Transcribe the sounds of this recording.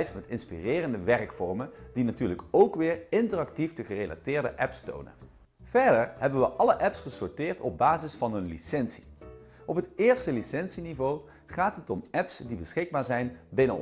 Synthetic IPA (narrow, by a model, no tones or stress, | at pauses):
jsmɛtɪnspirɪːrəndəʋɛrkfɔɹmənd̥inatyːɹləkowkʋɪːɹɪntərɑk̚tifdəχərejla̰tɪːɹdə̰ʔɛpsto̰wnə̰ | v̥ɛɹdəɹɦɛbənʋəʔɑləʔɛpsχəsɔɹtɪːɹtʰɔb̚baːzɪsfɑnɦɵnlḭsɛnsi̥ | ʔɔpɦətɪːɹstəlisɛnsinivow | χaːtɦətɔmɛpsdibəsχɪɡ̚baːɹzɛjnbɪnə̰